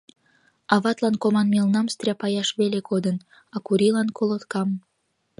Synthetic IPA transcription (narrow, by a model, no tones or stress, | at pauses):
ɑβɑt̪lɑnkomɑnmelnɑmst̪rʲɑpɑjɑʃβelekod̪ən | ɑkuɾilɑnkolot̪kɑm